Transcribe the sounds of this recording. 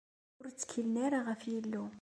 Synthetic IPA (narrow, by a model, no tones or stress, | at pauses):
ʊɾt͡sːə̥kʰːəlnæɾaʁəfjilːu